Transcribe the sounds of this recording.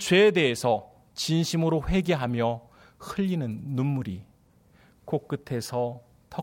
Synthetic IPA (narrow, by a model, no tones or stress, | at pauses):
t͡ɕwe̞ːde̞ːsʰʌ | t͡ɕinɕʰimɯɾoɸwe̞ɡeɦamjʌ | hɯʎːinɯnːunmuɾi | kok̚k͈ɯtʰe̞sʰʌ | tʌ